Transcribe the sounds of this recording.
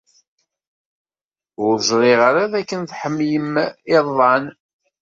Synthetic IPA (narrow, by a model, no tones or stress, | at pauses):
ʊɾʒɾˤɪʁaɾaðækːənθħəmːjəmɪðˤːɑn